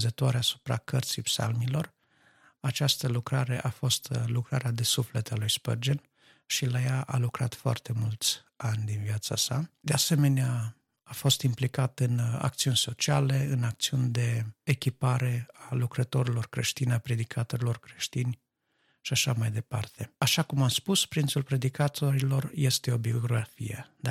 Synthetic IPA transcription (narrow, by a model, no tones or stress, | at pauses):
zət̪oaɾeasu̥pɾa̰kərt̪sijpsa̰lmilo̞r | at͡ʃast̪əlukɾaɾe̞ʔafo̞st̪lukɾaɾead̪e̞suflet̪alujspə̰rd͡ʒen | ʃilajaʔa̰lukɾat̪foa̰rt̪e̞mult̪sʲ | anʲd̪inviat̪sa̰sad̪ease̞me̞nea | afo̞st̪implikat̪ɨna̰k̚t̪siunʲso̞t͡ʃiale̞ɨnak̚t̪siunʲd̪e̞ːkʲipaɾe̞alukɾət̪o̞ɾilo̞rkɾe̞ʃt̪inapɾe̞d̪ikʰat̪o̞ɾilo̞rkɾe̞ʃt̪inʲ | ʃiaʃamajd̪e̞pa̰rt̪e̞aʃakumamspuspɾint̪sulpɾe̞d̪ikat̪ʰo̞ɾilo̞rje̞st̪e̞o̞bio̞ɡɾafijḛd̪a